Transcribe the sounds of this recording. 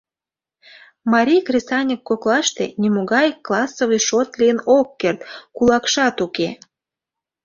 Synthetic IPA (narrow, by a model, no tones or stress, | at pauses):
mɑɾʲijkrʲesɑnʲəkːoklɑʃt̪ḛnʲimoɣɑjkːlɑsːovɨjʃot̪lʲijənokːert̪kulɑkʃɑt̪uke